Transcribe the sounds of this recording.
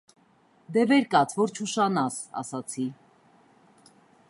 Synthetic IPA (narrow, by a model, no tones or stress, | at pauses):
d̪ɛvɛɾkɑt͡sʰvɔɾt͡ʃʰuʃɑnɑsɑ̰sɑt͡sʰi